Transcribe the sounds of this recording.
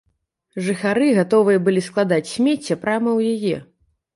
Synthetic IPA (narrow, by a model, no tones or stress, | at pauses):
ʐɨxaɾɨɣat̪ɔvɨjɐbɨlʲisklˠad̪at͡sʲsʲmʲet͡sʲːɛpɾamɐwjajɛ̰